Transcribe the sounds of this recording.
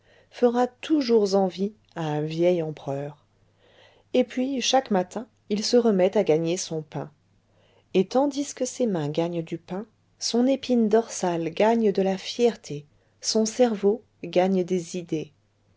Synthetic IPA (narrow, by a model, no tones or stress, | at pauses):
fəʁat̪ʰuʒuʁzɑ̃vi | aɛ̃vjɛjɑ̃pχœːʁ | epɥiʃakmat̪ɛ̃ | ilsəʁəmɛt̪aɡaɲesɔ̃pɛ̰̃ | et̪ɑ̃d̪iskəsemɛ̃ɡaɲd̪ypɛ̃ | sɔ̃nepind̪ɔʁsalɡaɲd̪əlafjɛʁt̪ʰe | sɔ̃sɛʁvo | ɡaɲd̪ezid̪e